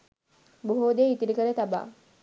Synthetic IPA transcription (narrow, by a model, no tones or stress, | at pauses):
boɦoːd̪eit̪iɾikəɾet̪aba̰ː